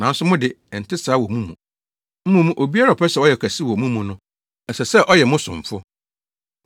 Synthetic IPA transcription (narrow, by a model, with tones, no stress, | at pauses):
nã˨n̩˦sʊ˦mʊ̃˦dɪ˨n̩˨tɪ˦saː˦wɔ˨mũ˦mṵ̃˨ | m̩˦mũ˨mũ˦ʔo˨bi˦a˦ɾa˨pʰɛ˦sɛ˨˦ɔ˦jɛ˨kʰæ˨si˦wɔ˨mũ˦mũ˨nʊ̃˦ | ɛ˨sɛ˨sɛ˦˨ʔɔ˦jɛ˨mʊ̃˦sʊ̰̃˨ɱ˨fʊ˦